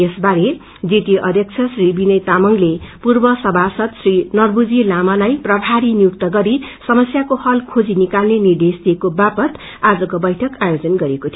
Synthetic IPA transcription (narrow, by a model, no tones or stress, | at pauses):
esbaɾe | d͡zit̪iʔʌ̰d̪ʱjʌk̚t͡sʰʌsribinʌjt̪amʌŋlepurbʌsʌbʱasʌt̪srinʌrbud͡zilamalajprʌbʱaɾinijuk̚t̪ʌɡʌɾisʌmʌsjakohʌlkʰod͡zinikalnenird̪esd̪ʱiekobapʌt̪ | ad͡zʌkobʌjʈʰʌkajod͡zʌnɡʌɾekot̪ʰjo